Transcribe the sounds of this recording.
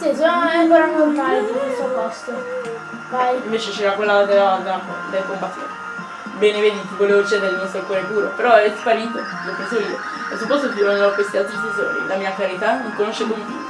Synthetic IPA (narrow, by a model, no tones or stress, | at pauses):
sisoaaaŋkoɾaakːont̪aːɾed̪ielsopːɔst̪o | vajiɱveːt͡ʃet͡ʃeːɾakwelːad̪elad̪ampɔ̰d̪elkompat̪ːḭt | bɛːneveːd̪it̪ivoleːvot͡ʃeːd̪eɾeilmɔst̪ɾokwɔːɾepuːɾopeɾɔɛt̪i̥faɾiŋk̪o | lopːensevoiːo̰ | ḛlsopːɔst̪ot̪ivand͡ʒavokwest̪ialt̪ɾisezo̰ːɾḭlʔamiːakaɾit̪anoŋkonoʃːekomṵ